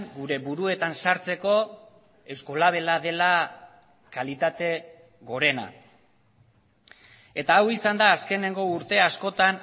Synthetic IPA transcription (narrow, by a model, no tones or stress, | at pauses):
ŋɡuɾe̞βuɾue̞t̪ansaɾt͡se̞ko̞ | e̞wsko̞laβ̞e̞lað̞e̞la | kalit̪at̪e̞ | ɣo̞ɾe̞na̰ | e̞t̪aːwisand̪aːske̞ne̞ŋɡo̞uɾt̪e̞asko̞t̪an